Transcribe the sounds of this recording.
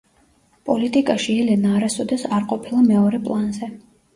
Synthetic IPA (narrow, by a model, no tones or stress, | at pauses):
pʼɔlit̪ʼikʼaʃiɛlɛnaːɾasɔd̪ɛsaɾqʼɔpʰilˠamɛɔɾɛpʼlˠanzɛ